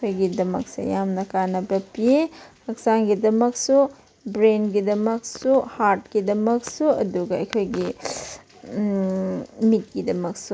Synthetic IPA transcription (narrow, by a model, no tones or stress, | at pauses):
kʰojɡidɐmɐ̰k̚sḛjamnɐkanɐbɐpiehɐksaŋɡidɐmɐksu | bɾenɡidɐmɐk̚suhaɾt̚kidɐmɐk̚suɐduɡɐɐjkʰojɡi | mit̚ɡidɐmɐk̚su